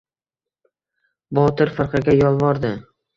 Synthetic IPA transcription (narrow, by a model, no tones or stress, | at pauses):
bɒt̪ɪɾfɪɾqɑɡʲajɒlˠvɒɾd̪ɪ